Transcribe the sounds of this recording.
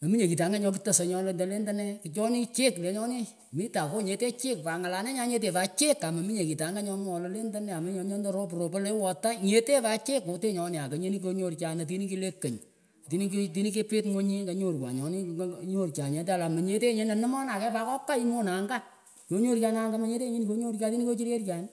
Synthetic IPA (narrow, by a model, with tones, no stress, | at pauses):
mɐ˨mi˦ɲe˨ki˨ta˨˦ŋɡa˦ɲɔ˧˦p̬ɨ˦tɐ˨sɔ˨ɲɔ˧le˧ndo˨le˦ndɐ˦nɛ˦ki˨t͡ʃɔ˦ni˦t͡ʃe˦kle˨˦ɲɔ˦ni˦ | mi˦ta˨ko˦ɲe˨te˦t͡ʃe˦kpa˨ŋa˨la˨˦nɛ˦ɲa˦ɲe˦t̬e˨pa˨˦t͡ʃe˦ka˨mɐ˨mi˦ɲe˨ki˨ta˨˦ŋɡa˦ɲɔ˦m˦ɔ˨lɔ˨le˦ndɐ˦nɛ˨a˨ma˦ɲɔ˦ɲɔ˦ndo˦ɾo˦p̬u˨ɾo˨po˦le˦wɔ˨ta˦ɲe˨˦te˦pa˦t͡ʃeː˦kːo˨te˦ɲɔ˧nɪ˨a˨kɐ˨ɲe˦ni˦ko˧ɲo˦rt͡ʃa˨nɐ˨t̬i˦ni˦ki˦le˦kːə˨ɲ˨ | ti˨ni˦kti˨˦ni˦ke˦pe˦tŋo˦ɲi˦kɐ˨ɲo˦˨ɾkwa̰˨ɲɔ˨ni˦ɲo˦˨rt͡ʃa˨ɲe˨ta˨la˨mɐ˨ɲe˨te˦ɲe˦nɛ˨nɪ˦mɔ˦na˨kɛ˦pa˦kɔ˦kːa˦i˦mo˦na˨ŋɡa˦ | t͡ʃo˨˦ɲo˦ɾt͡ʃa˧na˦ŋɡa˦ma˦ɲe˦te˦ɲe˦ni˦ko˦ɲo˦ɾka˦ti˦ni˦ko˦t͡ʃi˦ɾje˦rt͡ʃa˨n